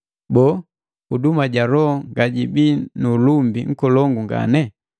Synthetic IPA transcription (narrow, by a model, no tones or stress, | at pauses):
bɔː | udumaɟaɾɔŋɡaɟibinulumbiŋ̩kɔlɔŋɡuŋɡa̰nɛ